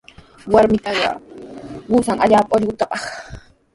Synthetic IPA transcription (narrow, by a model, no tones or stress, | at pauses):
waɾmɪt̪ɑɢɑ̰ | ɢʊsaŋaʎaːpaoʎɢʊt̪apɑχ